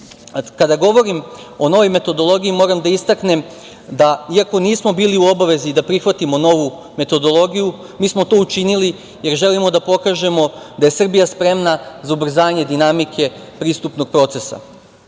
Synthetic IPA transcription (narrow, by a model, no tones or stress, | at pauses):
kad̪aɡo̞ʋo̞ɾimo̞no̞ʋo̞jme̞t̪o̞d̪o̞lˠo̞ɡijimo̞ːɾamd̪aist̪akne̞m | d̪aiako̞niːsmo̞biːliuobaʋe̞ziːd̪apɾixʋat̪imo̞no̞ʋu | me̞t̪o̞d̪o̞lˠo̞ɡiju | miːsmo̞t̪o̞ːut͡ʃinili | je̞ɾʒe̞limo̞d̪apo̞kaːʒe̞mo̞d̪aje̞sr̩bijaspɾe̞mnazaubr̩zaːɲe̞d̪inamikʰe̞ | pɾiːst̪upno̞ɡ̥̚pɾo̞ːt̪se̞sa̰